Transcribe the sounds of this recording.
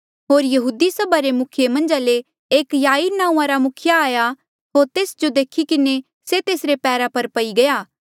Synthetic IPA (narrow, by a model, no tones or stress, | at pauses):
ɦoːɾjɐɦuːd̪isɐbʱaɾemʊkʰɪjemɐ̃nd͡ʒale | eːkjaːinãːũãɾamʊkʰɪjaaːja | ɦoːɾt̪eːsd͡ʒod̪eːkʰikɪne | set̪eːsɾepɛːɾapɐɾpɐiɡɐjaː